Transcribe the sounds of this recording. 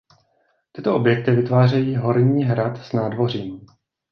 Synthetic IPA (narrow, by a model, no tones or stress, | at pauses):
t̪ɪt̪o̞ʔobjɛk̚t̪ɪvɪt̪vaːrɛjiːɦo̞ɾɲiːɦɾat̪snaːdvo̞riːm